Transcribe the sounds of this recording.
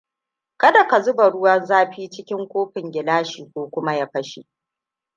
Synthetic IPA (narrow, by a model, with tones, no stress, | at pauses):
kɐ˦da˨ka˨zʊ˦bɐ˨ɽʊ˦wɐ˦nzaː˦ɸiː˦t͡ʃɪ˦kʲɪ˦ŋkʷoː˦ɸɪ˨ŋɡʲɪ˨laː˦ʃiː˨kʷoː˦kʷʊ˦ma˦ja˦ɸɐ˦ʃḭ˦ʔ